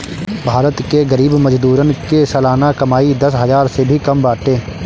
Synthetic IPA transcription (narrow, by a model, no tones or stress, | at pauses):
bʱaːɾət̪keɡəɾiːbməd͡ʒd̪uːɾənkesəlaːnakɐmaːid̪ɐsɦɐzaːɾsebʱikɐmbaːʈẽː